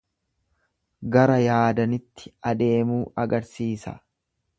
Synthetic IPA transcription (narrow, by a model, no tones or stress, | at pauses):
ɡɐɾɐjaːd̪ɐnɪt̪ːɪ̥ɐd̪e̞ːmuːɐɡɐɾsiːsɐ̰